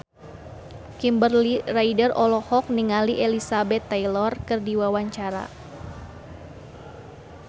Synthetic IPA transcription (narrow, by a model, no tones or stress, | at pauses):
kimbərliraidərɔlɔhɔk̚niŋaliʔelisabɛt̪ːajlɔrkɨrdiwawaɲt͡ʃaɾa̰